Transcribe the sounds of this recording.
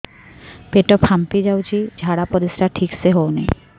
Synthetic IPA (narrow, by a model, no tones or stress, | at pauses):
peʈɔpʰampid͡ʑawt͡ɕʰid͡ʑʱaɽapɔɾisɾaʈʰikseɦownḛ